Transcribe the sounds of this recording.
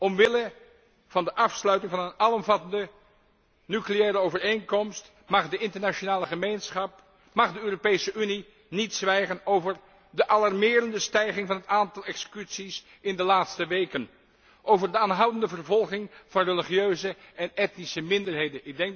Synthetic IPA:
ɔmʋɪlə | v̥ɑndəʔɑfslœɥtɪŋvɑnənɑlˠɔmvɑtəndə | nykleɛːɾəowvəɹejŋkɔmst | mɑχdəɪntəɹnaʃonaːləχəmejnsχɑp̚ | mɑχdəøːropejsəʔyni | nitsʋɛjχənowvəɹ | dəʔɑlɑrmɪːɾəndəstɛjχɪŋvɑnətaːntɑlˠɛksə̥kytsis | ɪndəlaːtstəʋejkən | ʔowvəɹdəaːnɦɑwdəndəvərvɔlˠχɪŋv̥ɑnrəliχjøɥzəɛnɛtnisəmɪndəɹɦejdənɪɡ̚dɛŋk

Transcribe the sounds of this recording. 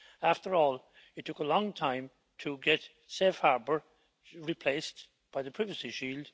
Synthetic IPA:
æftə˞ɔːlˠ | ɨtʰːʊkəlɔ̃ŋtʰãɪ̃m | tʰəɡɛt | sefhaɹbə˞ | ɹipʰl̥eɪs | b̥aɪðɨpʰɹ̥ɪvəsiʃiːlˠd̥

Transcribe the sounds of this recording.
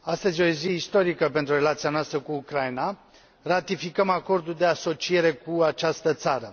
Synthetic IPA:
ast̪əzʲo̞ziist̪o̞ɾikəpent̪ɾure̞lat̪sianoast̪ɾəkuːkɾajina | rat̪ifikəmako̞rd̪uld̪e̞aso̞t͡ʃije̞ɾe̞kuat͡ʃast̪ət̪saɾə

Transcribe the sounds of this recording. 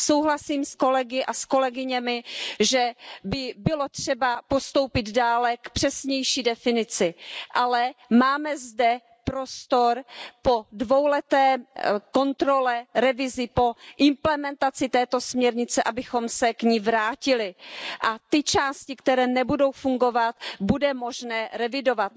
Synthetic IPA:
so̞wɦlasiːmsko̞lɛɡɪʔasko̞lɛɡɪɲɛmɪʒɛbɪbɪlo̞t̪r̝̥ɛbapo̞st̪o̞wpɪd̪daːlɛkpr̝̥ɛsɲɛjʃiːdɛfɪnɪt͡sɪʔalɛmaːmɛzdɛ | pɾo̞st̪o̞ɾpo̞dvowlɛt̪ɛːko̞nt̪ɾo̞lɛɾɛvɪzɪpo̞ʔɪmplɛmɛnt̪at͡sɪt̪ɛːt̪o̞smɲɛɾɲɪt͡sɛʔabɪxo̞msɛkɲiːvɾaːcɪlɪʔat̪ɪt͡ʃaːscɪkt̪ɛɾɛːnɛbudo̞wfuŋɡo̞vat̪budɛmo̞ʒnɛːɾɛvɪdo̞vat̪̚

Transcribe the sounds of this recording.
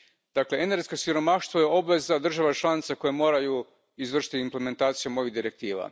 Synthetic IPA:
d̪̥akle̞eneɾɡeskosiɾo̞maʃt̪ʋoje̞o̞bʋe̞zad̪r̩ʒaʋat͡ʃlˠanit̪sako̞jemo̞ːɾaju | izʋr̩ʃi̥t̪iimple̞me̞nt̪aːt̪sijomo̞ʋiɣd̪iɾe̞k̚t̪iːʋa̰

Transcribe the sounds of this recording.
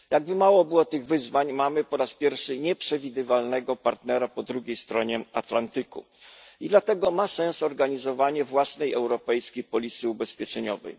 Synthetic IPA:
jaɡ̚bɘmawɔbɘwɔt̪ɘɣvɘzvaɲmamɘpɔɾaspʲjɛɾfʂɘɲɛpʂɛvʲid̪ɘvalnɛɡɔpaɾt̪nɛɾapɔd̪ɾuɡʲejst̪ɾɔɲɛat̪lant̪ɘkṵ | id̪lat̪ɛɡɔmasɛ̃ñsɔɾɡaɲizɔvaɲɛvwasnɛjɛwɾɔpɛjskʲejpɔlʲit̪sɘubɛspʲjɛt͡ʂɛɲɔvɛ̰j

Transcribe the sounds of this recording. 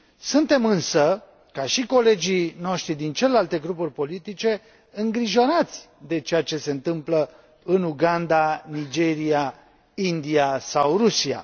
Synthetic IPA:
sunt̪e̞mɨnsə | kaʃiko̞le̞d͡ʒino̞ʃt̪ɾid̪int͡ʃe̞le̞lalt̪e̞ɡɾupurʲpo̞lit̪it͡ʃe̞ | ɨŋɡɾiʒo̞nat̪sʲ | d̪e̞t͡ʃe̞jat͡ʃe̞se̞ɨnt̪ɨmplə | ɨnuɡand̪anid͡ʒe̞ɾia | ind̪iasawrusia̰

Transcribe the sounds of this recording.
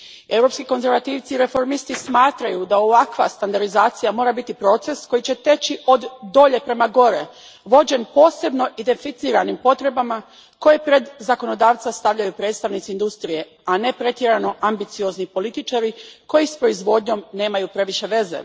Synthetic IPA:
e̞wɾo̞pskiko̞nze̞ɾʋat̪iːʋt̪siɾe̞fo̞ɾmist̪ismaːt̪ɾajud̪ao̞ʋakʋa̰st̪and̪aɾd̪izaːt̪sijamo̞ːɾabit̪ipɾo̞t̪se̞sko̞jit͡ɕe̞t̪e̞t͡ɕiʔo̞d̪ːo̞ʎe̞pɾe̞maɡo̞ɾe̞̰ | ʋo̞d͡ʑe̞npo̞ːse̞bno̞ʔid̪e̞nfit̪siːɾanimpo̞t̪ɾe̞bama | ko̞je̞pɾe̞d̪zako̞no̞d̪aːʋt̪sast̪aʋʎajupɾe̞ːd̪st̪aʋnit̪ind̪ust̪ɾije̞ | ane̞pɾe̞t̪jeɾano̞ʔambit̪sio̞znipo̞lit̪it͡ʃaɾiko̞jispɾo̞izʋo̞d̪ɲo̞mne̞ːmajupɾe̞ʋiʃe̞ʋe̞ze̞̰

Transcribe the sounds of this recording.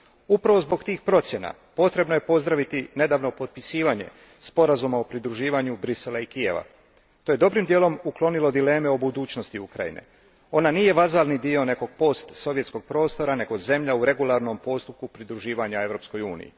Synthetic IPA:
upɾaʋo̞zbo̞ɡt̪iːxpɾo̞t̪sje̞na̰ | po̞t̪ɾe̞bnoje̞po̞zd̪ɾaʋit̪ine̞d̪aːʋno̞po̞t̪̚pisiːʋaɲe̞̰ | spo̞ɾazumaopɾid̪ɾuʒiːʋaɲubɾiselaikije̞̰ʋa̰ | t̪oje̞d̪o̞bɾimd̪je̞ːlo̞muklˠo̞nilo̞d̪ile̞ːme̞o̞bud̪uːt͡ɕno̞st̪iukɾa̰jḭne̞̰ | o̞naniːje̞ʋazalnid̪io̞ne̞ko̞ɡ̥̚po̞st̪so̞ʋjesko̞ɡ̥̚pɾo̞ːst̪o̞ɾane̞ɡo̞ze̞mʎauɾe̞ɡulˠaɾno̞mpo̞st̪up̚kupɾid̪ɾuʒiːʋaɲae̞ʋɾo̞ːpsko̞juːnḭjḭ

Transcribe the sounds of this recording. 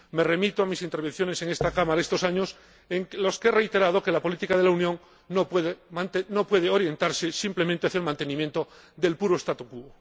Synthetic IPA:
me̞re̞mit̪oamisint̪eɾβe̞n̟θjo̞ne̞se̞ŋe̞st̪akamaɾaest̪o̞saɲo̞s | eŋlo̞skeere̞jt̪e̞ɾað̞o̞ke̞lapo̞lit̪ikaðe̞launjõ̞ŋ | nopweðemant̪enopwe̞ð̞eoɾje̞nt̪aɾsesimple̞mẽnt̪eaθjaelmãnt̪e̞nĩmjẽ̞nt̪o | d̪e̞lpuɾoest̪at̪ukuβo

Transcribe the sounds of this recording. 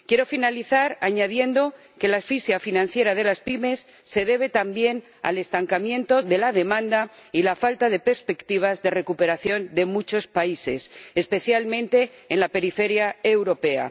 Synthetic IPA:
kje̞ɾo̞finaliθaɾaɲaðje̞nd̪o̞ | ke̞laesfisjafinãn̟θje̞ɾað̞e̞laspime̞sːe̞ðe̞β̞e̞t̪ambje̞n | a̰le̞st̪aŋkamjẽ̞nt̪o̞ðe̞laðe̞mãnd̪ailafalt̪aðe̞pe̞ɾspe̞kt̪iβ̞azðe̞re̞kupe̞ɾaθjo̞nd̪e̞mut͡ʃo̞spaise̞̰sespe̞θjalmẽnt̪e̞ːnlape̞ɾife̞ɾjaewɾo̞pe̞a̰

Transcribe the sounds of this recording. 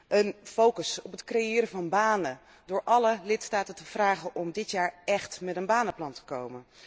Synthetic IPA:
ʔənfowkəsɔpətkrejɪːɾəvɑnbaːnə | dʊːɹʔɑləlɪtstaːtətəv̥raːχənʔɔmdɪtjaːɹɛχtmɛtənbaːnəplɑntə̥kowmən

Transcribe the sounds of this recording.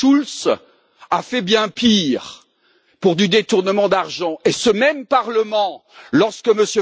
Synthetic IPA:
uls | afɛbjɛ̃piʁ | puʁd̪yd̪et̪uʁnəmɑ̃d̪aʁʒɑ̃esəmɛmpaʁləmɑ̃lɔʁskəməsjø

